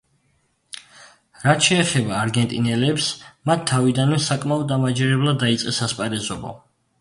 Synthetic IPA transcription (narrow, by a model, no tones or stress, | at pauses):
ɾat̪ʃɛːχɛbaːɾɡɛnt̪ʼinɛlɛpsmat̪ʰːavid̪anmɛsakʼmaɔd̪̚ːamad͡ʒɛɾɛblˠad̪ːait̪sʼqʼɛsaspʼaɾɛzɔbɔ̰